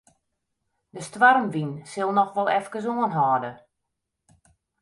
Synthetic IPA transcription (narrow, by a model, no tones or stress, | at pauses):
dəstʋarmʋinsɪlˠnɔxʋɔlˠɛfkəs̬oənɦɔːdə